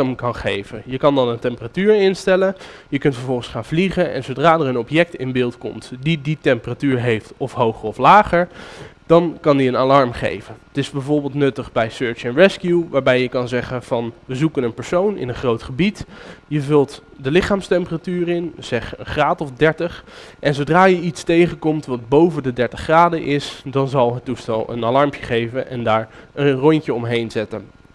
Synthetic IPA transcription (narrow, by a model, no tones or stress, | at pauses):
əmkɑnχejvəjəkɑndɑnəntɛmpəratyːɹɪnstɛlənjəkɵntfəɹvɔlˠχənsχaːnvliχənɛ̰nzowdraːdəɹənɔpjɛk̚tɪ̰nbɪːlˠtkɔ̰mtdiditɛmpəratyːɹɦejftɔfɦowχəɹɔflaːχəɹd̥ɑnkɑndiənalɑɹmχḛjvənətɪzbɛjvoɹbɪːlˠtnɵtəχbɛjsøːɹt͡ʃɛnɹɛskjuʋaːɹbɛjəkɑnzɛχənv̥ɑnʋəzukənənpəɹsownɪ̰nənχrowtχəbitjəvɵlˠt | dəlɪχaːmstɛmpəratyːrɪnz̥ɛχə̰nχraːtɔfdɛɹtəχ | ʔɛnzowdraːjəitstejχənkɔmtʋɑd̚bowvəndədɛɹtəχraːdəʔɪsdɑnzɑlˠɦətustɛlˠə̰nalɑɹmpjəχejvənʔɛ̰ndaːɹənrɔɲcəɔmɦejnzɛtən